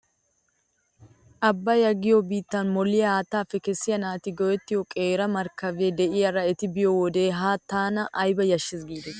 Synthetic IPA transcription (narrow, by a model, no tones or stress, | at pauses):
ʔɐbːɐjɐɡɪjobiːt̪ːɐnmɔlːɪjɐhaːt̪ːaːfɛkɛsːɪjɐnaːt̪ɪɡɔwɛt̪ːɪjɔkʼeːɾɐmɐɾkɐveːd̪ɛʔɪjɐɾɐɛt̪ɪbɪjowɔd̪e̞ːɦaːt̪ːaːnɐʔɐjbɐjɐʃːɪsɡiːd̪ɛ